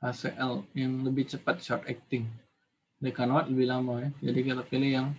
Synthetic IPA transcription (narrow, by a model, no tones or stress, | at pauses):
asɛʔɛljaŋləbɪht͡ʃəpat̪̚ʃɔrt̪ɛk̚t̪ɪŋ | dekanwat̪̚ləbɪlamaɛd͡ʒadikalapilijaŋ